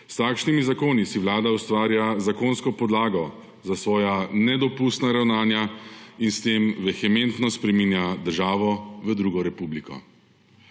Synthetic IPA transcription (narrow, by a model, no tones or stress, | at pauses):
st̪aːkʃnimizakoːnisiwlaːd̪aust̪ʋaːɾjazakoːnskɔpɔd̪laːɡɔ | zasʋɔːjanɛd̪ɔpuːst̪naɾawnaːnjainst̪eːmʋɛxɛment̪nɔspɾɛmiːnjad̪əɾʒaːʋɔʋəd̪ɾuɡɔɾɛpublikɔ̰